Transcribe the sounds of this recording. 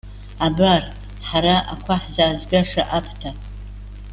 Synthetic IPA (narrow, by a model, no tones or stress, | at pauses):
abar | ħaɾaʔa̰kʷʰaħzaːzɡaʂaʔapʰtʰa